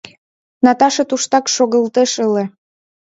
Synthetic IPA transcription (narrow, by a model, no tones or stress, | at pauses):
nɑt̪ɑʃɤ̆t̪uʃt̪ɑkʃoɣəlt̪eʃəle